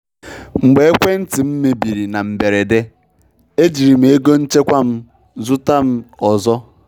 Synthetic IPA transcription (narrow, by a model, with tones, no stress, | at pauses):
ŋ͡m̩˨ɡ͡be˨e˦kʷe˦n̩˦ti˨m̩˦me˨bi˨ɾi˨na˨m̩˨be˨ɾe˨de˦ | e˦d͡ʒi˨ɾi˨m̩˦˨e˦ɡo˦n̩˦t͡ʃe˦kʷa˦m̩˦ | zʊ˦ta˦m̩˦ɔ˨zɔ˦